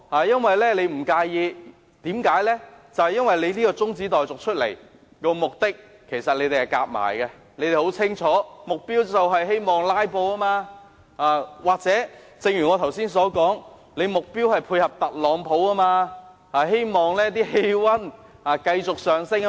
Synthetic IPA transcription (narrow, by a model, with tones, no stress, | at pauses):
haː˨˩jɐ˥nwɐ˨jlɛː˥le˨˧jm̩˨˩kaː˧jjiː˧ | t̪iː˨˥mkaː˨˥jlɛː˥t͡sɐ˨whjɐ˥nwɐ˨jle˨˧jliː˥kɔː˧t͡sʊ˥ŋt͡siː˨˥t̪ɔː˨jt͡sʊ˨k̚t͡ʃʰɵ˥t̚lḛ˨˩j | kɔː˧mʊ˨k̚t̪ɪ˥kʰː | e˨˩jsɐ˨t̚le˨˧jt̪e˨jhɐ˨jka̰ː˧k̚ma̰ː˨˩jkɛ˧ | le˧˥jt̪e˨jho˨˥wt͡sʰɪ˥ŋt͡ʃʰɔː˨˥mʊ˨k̚piː˥wt͡sɐ˨wɦɐ˨jɦe˥jmɔː˨˩ŋlaː˥jpo˧wɐ˥maː˧ | aː˨˧waː˨k̚t͡sɛː˨˥ | t͡sɪ˨˧ŋjyː˨˩ŋɔː˨˧t̪ʰɐ˨˩wsiː˥nsɔː˨˥kɔː˨˥ŋ | le˨˧jmʊ˨k̚piː˥whɐ˨jpʰuː˧jhɐ˨p̚t̪ɐ˨t̚lɔː˨˧˥ŋpʰo˨˥wɐ˥maː˧ | haː˨ɦe˥jmɔː˨ŋlɛː˥t̪iː˥he˧˥jwɐ˥n | aː˨˧kɐ˧jt͡sʊ˨k̚sœː˨ŋsɪ˥ŋ